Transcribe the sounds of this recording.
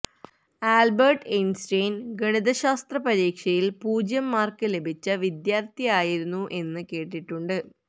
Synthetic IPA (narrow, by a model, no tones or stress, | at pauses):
aːlbɐrʈensʈejnɡɐɳiðɐɕaːst̪rɐpɐɾiːkʂɐjilpuːd͡ʑjɐmːaːrkɨle̞bʱit͡ɕːɐʋid̪jaːrt̪ijaːjiɾunːuʔe̞nːɨke̞ːʈːiʈːuɳɖɨ